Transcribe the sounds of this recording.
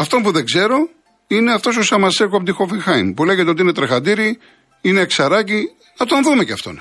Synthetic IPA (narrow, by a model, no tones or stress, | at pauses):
ɐft̪o̞mpuðe̞ɡze̞ɾo̞ | ine̞ɐft̪o̞s̬osɐmɐsekoɐpot̪ixofiŋxɐjnpule̞jʝet̪eo̞t̪iine̞t̪ɾexɐd̪iɾi | ine̞ksɐɾɐci | nɐt̪onðume̞ceɐft̪o̞̰n